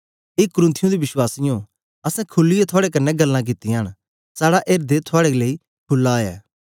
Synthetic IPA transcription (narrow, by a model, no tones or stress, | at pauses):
eːkʊɾɪ̃nt̪ʰɪjũd̪iʋɪswaːsɪjõ | ɐsɛ̃kʰʊlːɪjet̪ʰʊaːɽek̬ɐnːɛɡɐlːãk̬ɪt̪ːɪɽ̃ | saːɽaʔeːɾd̪et̪ʰʊaːɽeleːi | kʰʊlːaːjɛ̰ː